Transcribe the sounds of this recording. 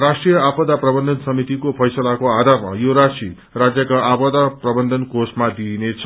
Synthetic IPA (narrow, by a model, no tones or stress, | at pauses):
rasʈrijʌapʌd̪aprʌbʌnd̪ʱʌnsʌmit̪ikopʰʌjsʌlakoad̪ʱarma̰joɾasi | rad͡zjʌkaʔapʌd̪aprʌbʌnd̪ʱʌnkosmad̪inet͡sʰʌ